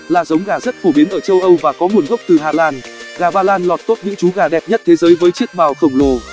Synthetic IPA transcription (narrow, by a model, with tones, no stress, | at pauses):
laː˨˩zə˨˦wŋ͡mɣaː˧˨˩zə˦˥t̚fo˧˩ɓi˨˦ənʔəː˧˩t͡ɕə˧wʔə˧wvaː˨˩kɔ˨˦ŋu˨˩ənɣə˦˥wk͡p̚t̪ɨ˨˩ɦaː˧˩laː˧nɣaː˨˩ɓaː˧laː˧nlɔ˨˩t̚t̪o˦˥t̚ɲɨ̰˧˥ŋt͡ɕu˨˦ɣaː˨˩ɗɛ˨˩p̚ɲə˦˥t̚t̪ʰe˨˦zəː˨˦jvəː˨˦jt͡ɕi˦˥ək̚ɓaː˨˩wxə˧˩wŋ͡mlo˨˩